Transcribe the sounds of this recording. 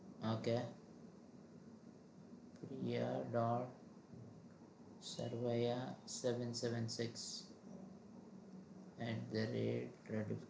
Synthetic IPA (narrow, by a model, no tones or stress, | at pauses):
oːke | pɾijaɖɔːɖ | sɐ̰ɾʋejasɛʋə̃nsɛʋə̃nsɪks | ɛʈ̚d̪əɾeːɖɾeɖi